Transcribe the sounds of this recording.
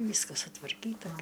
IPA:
ˈʋʲiːskɐs sʊtʋɐrʲˈkʲiːtɐ ɡʲɪ

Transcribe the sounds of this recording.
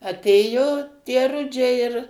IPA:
ɐˈtʲeːjoː tʲiɛ ˈrʊd͡ʒʲɛɪ ɪr

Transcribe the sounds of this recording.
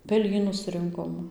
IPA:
pʲɛˈlʲiːnʊs ˈrʲɪŋkoːm

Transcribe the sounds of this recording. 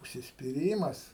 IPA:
ʊʃʲsʲɪsʲpʲɪˈrʲiːmɐs

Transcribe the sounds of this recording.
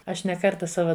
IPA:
ˈɐʃ nʲɛ ˈkɐrtɐ ˈsɑːʋɐ

